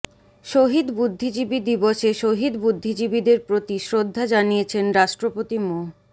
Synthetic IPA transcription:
ʃoɦid̪bud̪ʱːid͡ʑibid̪iboʃeʃoɦid̪bud̪ʱːid͡ʑibid̪eɾpɾot̪iʃɾod̪ʱːad͡ʑanijet͡ɕʰenɾaʃʈɾopot̪imo

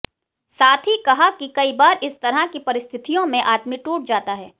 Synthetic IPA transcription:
saːt̪ʰɦikɐɦakikɐibaːɾɪst̪ɐɾɦakipɐɾɪst̪ʰɪt̪ijõmẽʔaːt̪miʈuːʈ̚d͡ʒaːt̪aɦɛː

